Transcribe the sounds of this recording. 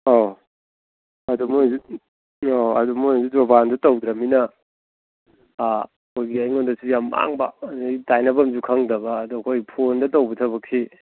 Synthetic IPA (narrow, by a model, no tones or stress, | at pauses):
o | ɐdumjzu | oɐ̰dumujzudɾobandɐtowdɾɐminɐ | kʰojɡiajŋondɐsujamːʔa̰ŋbɐ̰ditajnɐbɐmzukʰaŋdɐbɐːduɐkʰojpʰondɐtowbɐtʰɐβɐkʰi